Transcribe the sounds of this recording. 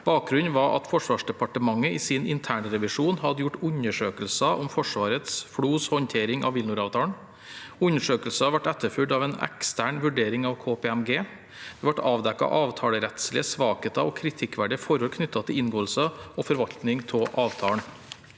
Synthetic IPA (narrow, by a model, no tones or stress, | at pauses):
b̥ɑːk̚ɡɾʉnʋɑʔɑ̰t̪fɔʂʋɑːʂɖɛpɑʈəmɑŋːəiːsinɪnt̪ʰæːɳɾɛʋɪʂuːnhɑd̪əjʊʈʉɲəʂøːkəlsɑʔɔmfɔʂʋɑːɾət̪sfɽuːshɔnt̪ʰeːɾɪŋʔɑ̰ʋɪlnʊɾɑːʋt̪ʰɑːɳ | ʉɲəʂøːkəl̩səɑʋæʈɛt̪ːəɾføːɖɑːʋeːnɛ̰kst̪ʰæːɳʋʉɖeːɾɪŋɑʋkʰoːpʰeɛmɡeː | d̪̥ɛːʋɑʈɑːʋd̪ɛkːɑ̰ʔɑːʋt̪ʰɑːləɾɛt̪slɪəsʋɑːket̪ɑʋɔkʰɾɪt̪ʰɪkʋæɖəfɔɾɔlkʰnʏt̪ːɑt̪ʰɪlɪnɡoːəlsəɔfɔɾʋɑʎt̪nɪŋt̪ʰɔʔɑːʋt̪ʰɑːəɳ